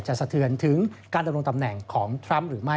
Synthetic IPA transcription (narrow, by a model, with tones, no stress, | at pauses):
tt͡ɕa˨˩ʔsa˧˩t̪ʰɯ˩ənt̪ʰɯ˩˦ŋkaː˧nda˧mɾo˧ŋt̪a˧mnɛ˨˩ŋkʰɔː˩˦ŋt̪ʰɾa˦˥mɾɯː˩˦ma˥˩